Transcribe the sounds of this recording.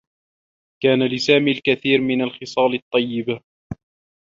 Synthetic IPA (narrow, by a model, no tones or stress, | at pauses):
kaːnalɪsaːmiːlkaθiːɾmɪnalxɪsˤɑːlɨt̪ˤːɑjːɪb